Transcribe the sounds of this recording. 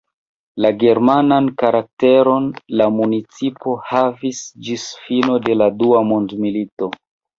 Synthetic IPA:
laɡe̞ɾmanankaɾak̚te̞ɾo̞nlamunit͡sipo̞havisd͡ʒisfino̞de̞laduamondmilito̞

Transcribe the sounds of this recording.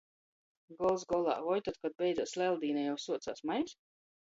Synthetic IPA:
ɡɔlˠzɡɔlˠa̰ːvɔjt̪ɔt̪̚kad̪̚bʲɛj̪zɔt̪slʲɛlˠd̪iːnajawsuɔt̪sa̰ːsmajs

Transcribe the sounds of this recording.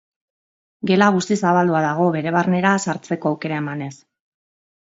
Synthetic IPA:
ɡe̞laɣust̪isaβald̪uaðaɣ̞o̞βe̞ɾe̞β̞arne̞ɾasaɾt͡se̞ko̞awke̞ɾae̞mane̞s

